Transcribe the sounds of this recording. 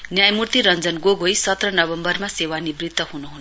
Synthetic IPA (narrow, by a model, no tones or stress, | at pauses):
njajmurt̪iɾʌnd͡zʌnɡoɡʱojsʌt̪rʌnʌbʌmbʌrmasewanibrit̪ːʌɦunuɦun